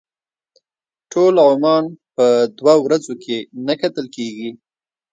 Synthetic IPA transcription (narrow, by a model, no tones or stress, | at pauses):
ʈʰolʕʊmɑnpəd̪wawɾazokʰenakat̪əlkeɡi